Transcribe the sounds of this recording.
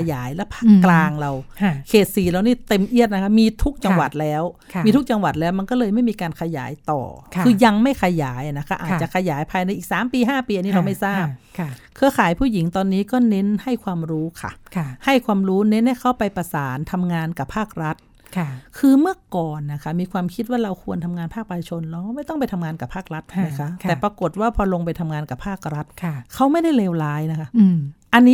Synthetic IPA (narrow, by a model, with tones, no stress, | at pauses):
jaː˩˦jlɛ˦˥pʰaː˥˩kːlaː˧ŋɾa˧wkʰeː˨˩t̪̚siː˨˩ɾa˧wniː˥˩t̪e˧mʔi˥˩ət̪̚na˦˥kʰa˦˥p̚miː˧t̪ʰu˦˥k̚t͡ɕa˧ŋŋwa˨˩t̪̚lɛː˦˥wʰ | iː˧t̪ʰu˦˥k̚t͡ɕa˧ŋwa˨˩t̪̚lɛː˦˥wma˧nkɔː˥˩lɤː˧jma˥˩jmiː˧kaː˧nkʰa˧ja̰ː˩˦jt̪ɔ̰ː˨˩kʰkʰɯː˧ja˧ŋma˥˩jkʰa˧jaː˩˦jʔa˨˩na˦˥kʰa˧˥˩ʔaː˨˩t̪̚t͡ɕa˨˩kʰa˧jaː˩˦jpʰaː˧jna˧jʔiː˨˩k̚saː˨˩˦mpiː˧ɦaː˥˩piː˧a˨nːiː˦˥˩la˧wma˥˩jsaː˥˩p̚ʰkʰɯ˧ɐkʰaː˩˦jpʰuː˥˩ji˩˦ŋt̪ɔː˧nːiː˦˥kɔː˥˩ne˦˥nha˥˩jkʰwaː˧mɾuː˦˥kʰa̰˨˩kʰha˥˩jkʰwaː˧mɾuː˦˥ne˧˦˥nha˥˩kʰa˦˥wpa˧jpa˧saː˩˦nt̪ʰa˧mŋaː˧nka˨˩pʰaː˥˩k̚ɾa˦˥t̪̚ | kʰkʰɯː˧mɯ˥˩ɐkɔː˨˩nːa˧˩kʰa˧˩miː˧kʰwaː˧mkʰi˦˥t̪̚waː˥˩ɾa˧wkʰu˧ənt̪ʰa˧mŋaː˧npʰaː˥˩k̚paː˧tʰa˧˩t͡ɕʰo˧nla˧a˧˦ma˥˩jt̪ɔ˥˩ŋp̬a˧jt̪ʰa˧mŋaː˧nka˨˩pʰaː˥˩k̚ɾa˦˥t̪̚na˦˥kʰa˦˥t̪ɛː˨˩pɾa˧ko˨˩t̪̚waː˥˩pʰɔː˧lo˧ŋpa˧jt̪ʰa˧mŋaː˧nka˨˩pʰaː˥˩k̚ɾa˦˥t̪̚ʰkʰa˦˥wma˥˩jda˥˩jleː˧wlaː˦˥jna˦˥kʰa˦˥˩ʔa˧nːiː˦˥